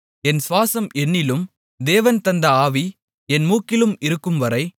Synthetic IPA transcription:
ɛnsʋaːsɐmɛnːɪlɯm | d̪eːʋɐnt̪ɐnd̪ɐaːʋi | ɛnmuːkːɪlɯmɪɾɯkːɯmʋɐɾɐɪ

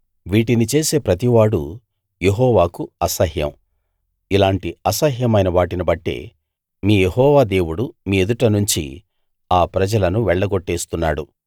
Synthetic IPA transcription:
ʋiːʈinit͡ʃe̞ːse̞ːpɾɐt̪̬iʋaːɽṵ | je̞ɦɔːʋaːkuɐsɐɦjɐ̰m | ilaːɳʈiɐsɐɦjɐmɐjnɐʋaːʈinɐbɐʈːe̞̰ː | miːje̞ɦɔːʋaːd̪e̞ːwuɽumiːed̪uʈɐnuɲt͡ʃḭ | aːpɾɐd͡ʒɐlɐnuʋɛɭːɐɡɔʈːeːst̪unːaːɽu

